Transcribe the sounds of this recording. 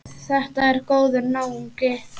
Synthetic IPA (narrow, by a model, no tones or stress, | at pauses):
θɛht̪aɛɾkoːwðʏɾnaːwuŋkɪ